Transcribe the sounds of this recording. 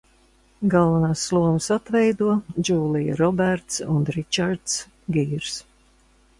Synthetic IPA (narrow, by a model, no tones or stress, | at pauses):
ɡalˠvanaːsːlˠuɔmɨsat̪vɛjd̪uɔd͡ʒuːlˠijɾɔbæɾt̪sunɾit͡ʃaɾt̪s | ɡiːɾs